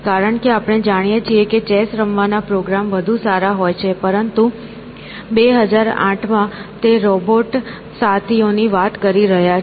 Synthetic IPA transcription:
kaɾəɳkeapɳ̃ed͡ʒaɽ̃ijet͡ʃieket͡ʃɛsɾəmʋanapɾoɡɾamʋəd̪ʱũsaɾaɦojt͡ʃʰepəɾənt̪u | beɦəd͡ʒaɾã̰ʈʰmãt̪eɾɔboʈ | sat̪ʰioniʋat̪kəɾiɾəɦja

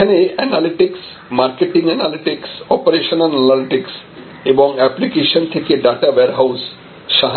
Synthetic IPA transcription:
aneɛnaliʈiks | maɾkeʈiŋɛnaliʈiksɔpoɾeʃonanɛnaliʈiks | eboŋɛplikeʃont̪ʰekeɖaʈaweaɾɦaws | ʃaɦ

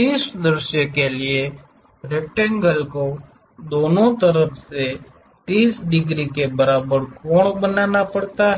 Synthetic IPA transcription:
iːsd̪ɾɪʃjə̃kelie | ɾeʈɛ̃ŋɡəlko | d̪oːnõt̪əɾəfʰse | t̪iːsɖɪɡɾikebɐɾaːbəɾkoːɽ̃bənaːnapɐɽt̪aɦ

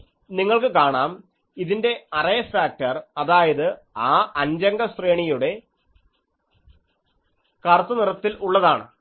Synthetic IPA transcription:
niŋːɐɭkɨkaːɳaːm | iðinde̞ɐrɐjɐfaːk̚tɐrɐðaːjɐðɨ | aːʔɐnd͡ʑɐŋɡɐsreːɳijuɽe̞ | kɐrt̪ːɐnirɐt̪ːilʔuɭːɐðaːɳɨ̰

